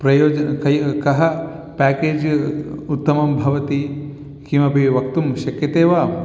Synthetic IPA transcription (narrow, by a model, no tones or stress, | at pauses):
pɾɐjoːd͡ʒɐkɐjkɐɦɐ | pæːkeːd͡ʒut̪ːɐmɐmbʱɐʋɐt̪i | kimɐbʱiʋɐk̚t̪umʃɐkjɐt̪eːʋaː